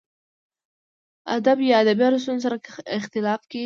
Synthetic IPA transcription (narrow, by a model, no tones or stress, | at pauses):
ad̪abjɑad̪abijɑɾəs̬t̪unzs̬aɾaɪxt̪ɪlɑfke